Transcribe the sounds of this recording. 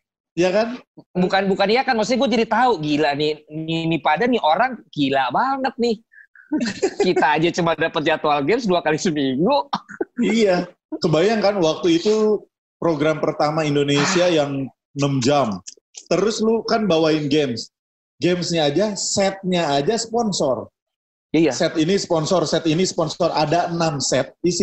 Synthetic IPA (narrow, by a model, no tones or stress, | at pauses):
jakanbukanbukanijakanmasɡuad͡ʒadit̪auɡilanininipadaniʔoɾaŋkilaʔbaŋət̪̚nɪh | kitt̪aːd͡ʒat͡ʃumandapət̪̚d͡ʒat̪oalɡɛmsduakalisəmiŋɡuija | kəbajaŋkanwak̚t̪uit̪u | pɾoɡɾampərt̪amaindonesiajaŋ | nəmd͡ʒam | t̪əɾʊslukanbawaɪnɡɛms | ɡemsɲaːd͡ʒasɛt̪̚ɲaːd͡ʒasəpɔnsɔr | ijasɛt̪inispɔnsɔrsɛt̪inispɔnsɔradaənamsɛt̪̚disi